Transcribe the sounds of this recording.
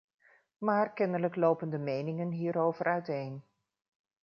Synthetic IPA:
maːrkɛnələklowpəndəmejnɪŋənɦiːɾowvəɾœɥtejn

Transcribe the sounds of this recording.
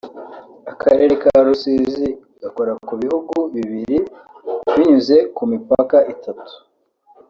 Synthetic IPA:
akʰaɾe̞ɾe̞kaɾusizi | ɡ̥ako̞ɾakuβihuɡuβiβiɾi | βiɲuze̞kumipakaʔitʰatu̥

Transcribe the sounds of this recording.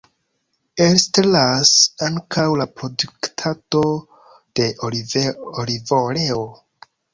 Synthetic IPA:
estlasaŋkʰawlapɾo̞duktʰato̞ | d̥e̞ʔovolivoɾeo

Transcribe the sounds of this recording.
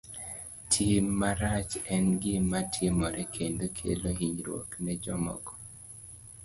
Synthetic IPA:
tʰimːaɾat͡ʃɛnɡɪmːatʰɪmɔɾɛkʰend̪okʰḛloɦiɲɾwo̰knɛd͡ʒɔmɔ̰ɡɔ̥

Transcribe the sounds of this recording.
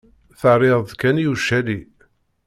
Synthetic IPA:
θəʕɾɪʁˤðkænjuʃæli

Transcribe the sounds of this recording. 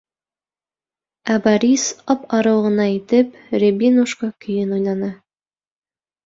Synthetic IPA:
æbɑɾʲisɒpɑɾɤ̆wʁɤ̆nɑit̪ɘp | ɾʲebinuʃkɑkɵ̆jɘnujnɑnɑ

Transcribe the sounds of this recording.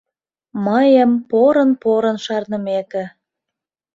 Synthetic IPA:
məjəmpoɾənpoɾənʃɑrnəmekĕ

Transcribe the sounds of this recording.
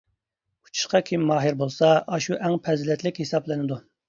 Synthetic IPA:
u̥t͡ʃʰu̥ʃqɑkʲʰimːɑːɦɨɾbolˠsɑɑʃuʔɛŋpʰɛzlɛt̪lɪkʲhesɑplˠɨnɨd̪u

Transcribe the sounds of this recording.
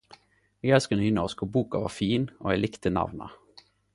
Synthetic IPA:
ɛɡɛlskənynoskobuːkɑʋɑ̰ːfiːnʔo̰ːɛɪlɪkt̪ənɑ̰ʋnɑ̰

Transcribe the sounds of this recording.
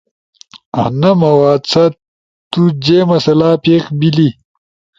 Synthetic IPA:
ɐ̰nɐmɐwaːt͡sʰɐ | t̪ud͡ʑeːmɐsɐlaːpeːkbili

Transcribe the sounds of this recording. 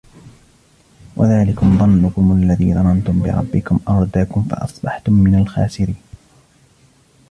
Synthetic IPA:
wʔa̰ðaːlɪkʊmðˤɑnːʊkʊmalːaðiːðˤɑmɑnt̪ʊmbɪ̰ɾˤɑ̰bːɪkʊmʔɑɾˤd̪aːkʊmfɑ̰ʔɑ̰sˤbɑħt̪ʊmːɪnalxa̰ːsɪɾiːn

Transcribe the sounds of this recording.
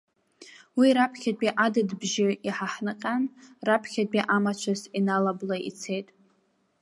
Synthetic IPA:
wiɾapʰχʲad̚ʼiʔadɨdbʒɪiħaħnaqʲʼanrapʰχʲad̚biʔamat͡ʃʷʰazinalablaʔḭt͡sʰe̞jtʼ

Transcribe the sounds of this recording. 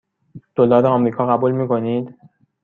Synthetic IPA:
d̪̥olɒːd̪eɒmɾiːkʰɒːɣæbuːlmiːkoniːd̪

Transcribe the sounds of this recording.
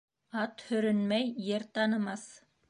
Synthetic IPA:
ɑt̪hɵ̆ɾɵnmæjːɘɾt̪ɑnɤ̆mɑs

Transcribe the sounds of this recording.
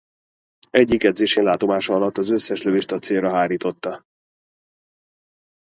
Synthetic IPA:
ɛɟːikːɛd̪zeːʃeːnlaːt̪o̞maːʃɒɒlɒt̪ːɒzø̞sːɛʃløviʃt̪ɒt̪seːlrɒɦaːɾiːt̪o̞t̪ːɒ

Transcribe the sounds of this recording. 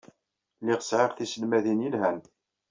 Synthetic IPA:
liʁə̥sʕeʁθisəlmæðinjilɦæn

